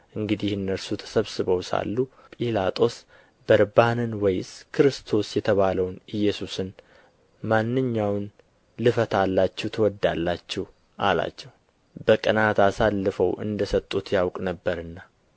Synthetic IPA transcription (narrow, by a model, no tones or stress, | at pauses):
ʔɨŋɡɨd̪ihɨnːəɾsut̪ʰə̥səβsɨβəwsa̰lːu | pʼilat̪ʼo̞s | bəɾbanɨnwɔjskʰɨɾɨst̪ʰo̞sjɛt̪ʰəβaləwnɨjːɛsusɨn | manːɨɲːawn | lɨfət̪ʰalːat͡ʃːɛwt̪ʰəwɔd̪alːat͡ʃːɛh | ʔala̰t͡ʃːɛw | bəkʼənat̪asalːɨfəwʔɨ̰nd̪əsət̪ʼːut̪jawkʼnəbːəɾɨnːa